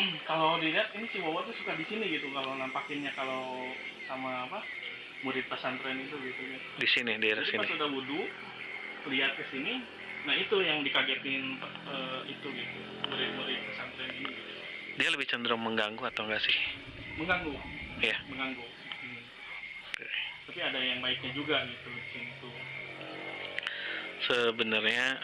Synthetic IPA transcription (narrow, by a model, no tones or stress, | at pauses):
kalodiliat̪inisiwawat̪usukadisiniɡit̪ukalonampakɪnɲakalow | samaːpa | muɾɪt̪̚pasant̪ɾɛnit̪̬uɡisini | disinidiaɛɾasisipansudauduʔ | liat̪̚kəsini | naɦit̪ujaŋdikaɡɛt̪ɪn | əit̪uɡit̪u | əlɪt̪̚məɾit̪̚ːasant̪ɾɛniniɡit̪u | dialəbɪht͡ʃəndəɾʊŋməŋɡaŋɡuat̪awŋɡaʔsɪh | məŋɡaŋɡujaməŋaŋɡu | m̩ | ket̪apiadajaŋbaɪk̚ɲad͡ʒuɡaɡit̪uikinit̪u | səbənərɲa